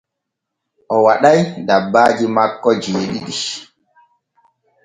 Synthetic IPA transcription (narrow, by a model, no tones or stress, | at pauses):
ʔɔwaɗajdabːaːd͡ʒimakːɔd͡ʒiɗiɗi